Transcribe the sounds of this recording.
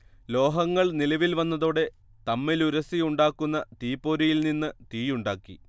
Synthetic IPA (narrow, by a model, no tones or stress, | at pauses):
lo̞ːɦɐŋːɐɭnilɐʋilʋɐnːɐðoːɽe̞ | t̪ɐmːiluɾɐsijuɳɖaːkːunːɐt̪iːpːo̞ːɾijilninːɨt̪iːjuɳɖaːkːi